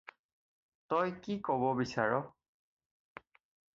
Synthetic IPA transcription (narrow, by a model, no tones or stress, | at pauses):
tɔjkikɔbɔbisaɹɔ